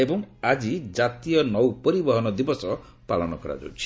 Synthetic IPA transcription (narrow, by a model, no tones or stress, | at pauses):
ebɔŋad͡ʒid͡ʒat̪ijɔnɔwpɔɾibɔɦɔnɔd̪ibɔsɔ | palɔnɔkɔɾa̰d͡ʒa̰wt͡ʃʰi̥